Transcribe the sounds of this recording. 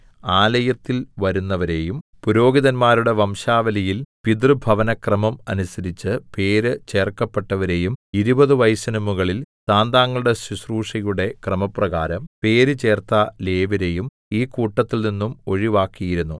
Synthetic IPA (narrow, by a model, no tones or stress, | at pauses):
aːlɐjɐt̪ːilʋɐɾunːɐʋɐɾe̞ːjumpuɾo̞ːɡiðɐnmaːɾuɽe̞ʋɐmʂaːʋɐlijilpid̪rɨbʱɐʋɐnɐkrɐmɐmɐnusɐɾit͡ɕːɨpe̞ːɾɨt͡ɕe̞ːrkːɐpːe̞ʈːɐʋɐɾe̞ːjumiɾubɐðɨʋɐjsɐnɐmuɣɐɭilsaːnd̪aːŋːɐɭuɽe̞susruːʂɐjuɽe̞krɐmɐprɐɣaːɾɐmpe̞ːɾɨt͡ɕe̞ːrt̪ale̞ːʋiɾe̞jum | iːkuːʈːɐt̪ːilninːumo̞ɻiʋaːkːijiɾunːu